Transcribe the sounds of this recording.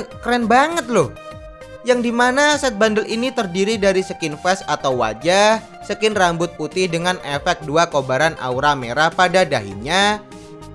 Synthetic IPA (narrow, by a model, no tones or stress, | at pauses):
kɾɛnbaŋət̪̚lʊh | jaŋdimanasɛt̪̚bandəlinit̪ərdiɾidaɾisəkɪnfɛsat̪awwa̰d͡ʒah | səkɪnrambʊt̪̚put̪ɪhdəŋanefɛk̚duakobaɾanʔa̰uɾameɾapadadaɦḭɲa